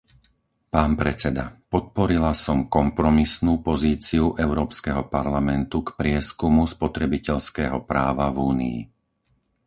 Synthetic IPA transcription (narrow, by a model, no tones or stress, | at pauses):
paːnpɾɛt͡sɛd̪apɔt̪̚pɔɾilasɔmkɔmpɾɔmisnuːpɔziːt͡siuʔɛʊɾɔːpskɛɦɔpaɾlamɛnt̪ukpɾɪɛskumuspɔt̪ɾɛbicɛʎskɛːɦɔpɾaːʋavuːnḭḭ